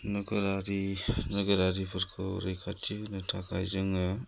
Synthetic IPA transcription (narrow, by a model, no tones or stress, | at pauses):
nɐɡɐɾaɾinɐɡɐɾaɾipʰɯɾkʰɯ̰ɾejkʰatʰinɯtʰakʰajzɯŋɯ